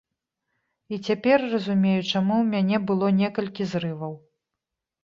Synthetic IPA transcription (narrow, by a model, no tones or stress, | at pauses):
it͡sʲapʲɛrːɐzumʲejut͡ʂamuwmʲanʲɛbɨlˠɔnʲɛkɐlʲkʲizrɨvɐw